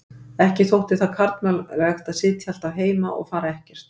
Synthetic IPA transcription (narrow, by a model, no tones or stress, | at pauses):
ɛhcɪθowht̪ɪθaðkʰaɾt̪mœllɛxt̪aðsɪːt̪ʰjal̥t̪avɦeːjma̰ʔɔ̰ɣfaːɾaɛhcɛɾ̥t̪